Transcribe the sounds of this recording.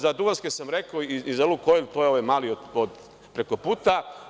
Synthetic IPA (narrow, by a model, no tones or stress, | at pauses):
zad̪uɡanskesamɾekoiizelukoilʲt̪ojeoʋemaːliod̪od̪ | pɾe̞ko̞puːt̪a